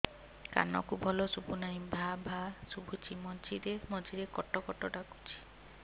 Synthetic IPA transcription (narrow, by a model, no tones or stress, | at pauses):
ka̰nɔ̰kubʱɔlɔsupunaibʱabʱasubʱut͡ʃimɔd͡ʒʱiɾemɔd͡ʒʱiɾekɔʈːɔkɔʈɔʈaku̥t͡ʃʰi̥